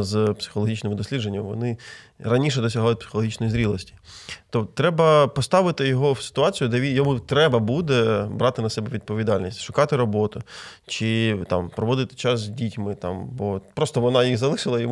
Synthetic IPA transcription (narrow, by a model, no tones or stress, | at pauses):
zpsɪ̥xɔlˠɔɦit͡ʃnɪmɪd̪ɔsʲlʲid̪d͡ʒenʲːɐmʋɔnɪɾɐnʲiʃ̬ɛd̪ɔsʲɐɦɑjʊt̪̚ʲpsɪ̥xɔlˠɔɦʲit͡ʃnɔjizɾʲilˠɔsʲtʲi̥t̪ɔt̪ɾɛbɐpɔst̪ɑʋɪt̪ɪjɔɦɔwsɪ̥t̪ʊɑt͡sʲijʊd̪ɛʋʲijɔmut̪ɾɛbɐbud̪ɛbɾɑt̪ɪnɐsɛbɛʋʲid̪̚pɔʋʲid̪ɑlʲnʲisʲtʲʃʊkɑt̪ɪɾɔbɔt̪ʊt͡ʃɪt̪ɑ̰mpɾɔʋɔd̪ɪt̪ɪ̥t͡ʃɑs̬zʲdʲitʲmɪt̪ɑ̰mbɔpɾɔst̪ɔʋɔnɑjixzɐlˠɪʃɪlˠɐjɔm